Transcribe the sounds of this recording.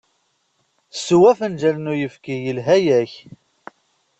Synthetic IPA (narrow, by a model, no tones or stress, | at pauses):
suwæfənd͡ʒælnujəfkijəlɦæjæç